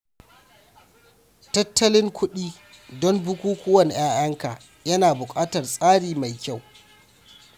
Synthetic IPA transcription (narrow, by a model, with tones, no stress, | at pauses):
tɐ˦tʰːɐ˦lɪ˦ŋkʷʰʊ˦ɗiː˦ | dɔ˦mbʊ˦kʷuː˦kʷʊ˦wɐ˨nj̰aː˦jɐ˦ŋkaː˨ | jɐ˦naː˨bʊ˨kʼaː˦tɐ˨rsʼaː˦ɽiː˨ma˨jkʲa˦˨w